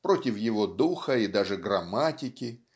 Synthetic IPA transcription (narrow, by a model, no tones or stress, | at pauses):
pɾo̞tʲɪfjɪvo̞d̪uxəid̪aʐɨɡrɐmatʲɪkʲɪ